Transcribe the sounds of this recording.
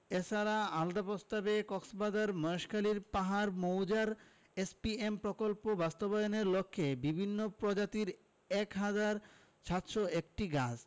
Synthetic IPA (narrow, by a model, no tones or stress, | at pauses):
et͡ɕʰaɾaald̪apost̪abekɔksbad̪aɾmɔoʃkʰaliɾpaɦaɾmowd͡ʑaɾ | espiempɾokolpobast̪obajoneɾlokʰːebibʱinːopɾod͡ʑat̪iɾ | ɛkɦad͡ʑaɾ | ʃʰat̪ʃoek̚ʈiɡad͡ʑ